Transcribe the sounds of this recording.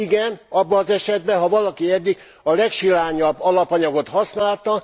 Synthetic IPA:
iɡɛnɒbːɒːzɛʃɛd̪bɛɦɒvɒlɒkiɛd̪ːiɡ | ɒlɛkʃilaːɲɒbːɒlɒpɒɲɒɡo̞t̪hɒsnaːlt̪ɒ

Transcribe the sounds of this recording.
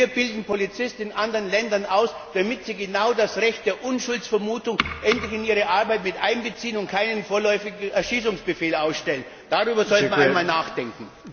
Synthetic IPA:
iːɐbɪldn̩polit͡sɪstɪnʔandəʁənlɛndɐnaʊsd̥amɪtz̥iːɡenaʊdasʁɛçt̚d̥eːɐʔʊnʃʊlt͡sfɛɐmuːtʊŋʔɛntlɪçɪniːʁəʔaɐbaɪtmɪtʔaɪnbət͡siːənʊnt̚kʰaɪnənfoːɐlɔʏfɪɡ̩ɛɐʃiːsʊŋsb̥əfeːlaʊsʃtɛlən | d̥aʁyːbɐzɔltmaɪmaːlnaːχd̥ɛŋkŋ̩

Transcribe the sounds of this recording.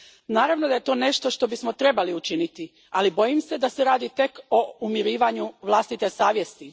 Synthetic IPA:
naːɾaʋnod̪aje̞t̪o̞ːne̞ʃt̪o̞ʃt̪o̞bismo̞t̪ɾe̞baliut͡ʃinit̪i | alibo̞jimse̞d̪aseɾaːd̪it̪e̞ko̞umiɾiːʋaɲuʋlˠaːst̪it̪e̞saːʋjest̪i

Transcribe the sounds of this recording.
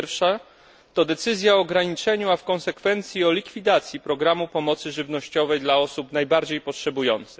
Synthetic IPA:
ɾfʂa | t̪ɔd̪ɛt̪sɘzʲjaɔːɡɾaɲit͡ʂɛɲuafkɔnsɛkfɛnt̪sʲjiɔlʲikfʲid̪at̪sʲjipɾɔɡɾamupɔmɔt̪sɘʐɘvnɔɕt͡ɕɔvɛjd̪laɔsupnajbaɾd͡ʑejpɔtʂɛbujɔnt̪sɘx

